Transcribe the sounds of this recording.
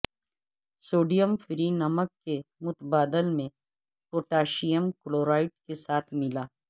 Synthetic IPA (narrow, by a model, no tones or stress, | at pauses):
soːɖijəmfɪɾinɐməkːemʊt̪əbaːd̪əlmẽ | poːʈaːʃijəmkloːɾaːɪʈkesaːt̪ʰmɪlaː